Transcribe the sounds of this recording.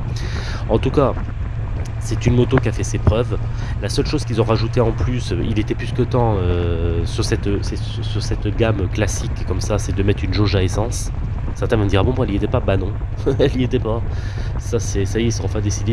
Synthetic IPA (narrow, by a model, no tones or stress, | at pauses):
ɑ̃t̪uka | sɛt̪ynmot̪okʲiafɛsepχœv | lasœlʃoz̥kʲilzɔ̃ʁaʒut̪eɑ̃plysøilet̪ɛplyskət̪ɑ̃øsyʁsɛt̪øsɛ | syʁsɛt̪ɡamklasikːɔmsasɛd̪əmɛt̪χynʒoʒaesɑ̃s | sɛʁt̪ɛ̃vɛ̃nd̪iʁabɔ̃mwaɛliet̪ɛpabanɔ̃ | ɛliet̪ɛpa | sasɛsajɛsɑ̃fɛ̃d̪esid̪e